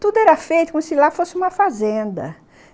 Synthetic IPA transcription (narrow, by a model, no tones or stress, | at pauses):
t̪ud̪ʊɛɾɐfejt̪ʊkomʊsɪlafosɪũmɐfazẽnd̪ɐ̰